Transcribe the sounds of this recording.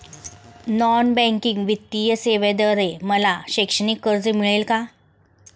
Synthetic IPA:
nɔnbɛ̃ŋkiŋɡʋit̪ːijəseʋed̪əɾeməlaɕekʂənikːəɾd͡zəmiɭelka

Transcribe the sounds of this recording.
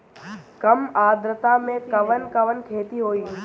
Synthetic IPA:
kɐmaːd̪ɾət̪amẽkɐʋənkɐʋənkʰeːt̪iɦoːiː

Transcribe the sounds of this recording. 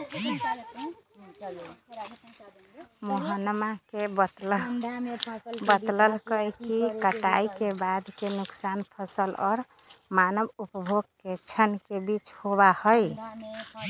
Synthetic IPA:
moɦənmakeb̪ | bət̪ləlkəjkikəʈaikebad̪kenuksanpʰəsəlɔːɾ | manəbupəbʱoɡ̚ket͡ʃʰənkebit͡ʃhoβahəj

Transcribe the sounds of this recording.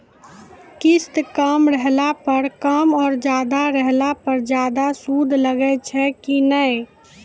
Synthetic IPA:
kist̪kəmɾəɦlapəɾkəmɔːɾd͡ʒad̪aɾəɦlapəɾd͡ʒad̪asud̪ʱləɡɛt͡ʃʰɛkinəj

